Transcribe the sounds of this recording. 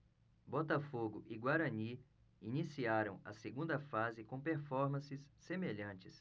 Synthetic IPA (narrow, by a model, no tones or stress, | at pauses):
bɔt̪ɐfoɡʊʔiɡwaɾɐni | inisiaɾɐ̃w̃ɐ̰seɡũnd̪ɐfazɪkõpeɾfɔɾmɐ̃sɪsːemeʎɐ̃t͡ʃɪs